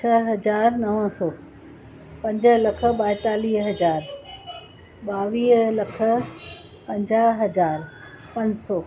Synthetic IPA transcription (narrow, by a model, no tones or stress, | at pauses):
t͡ɕʰɐɦɐd͡ʑaːɾnɐʋə̃sɔː | pɐ̃ɲd͡ʑə̆lɐkʰə̆ɓaːɪt̪aːliːɦɦɐd͡ʑaːɾ | ɓaːʋiːɦlɐkʰə̆ | pɐ̃ɲd͡ʑaːɦɦɐd͡ʑaːɾ | pɐ̃ɲd͡ʑsɔː